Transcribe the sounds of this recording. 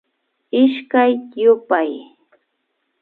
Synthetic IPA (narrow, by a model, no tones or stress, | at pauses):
ɪʃkajjʊpaj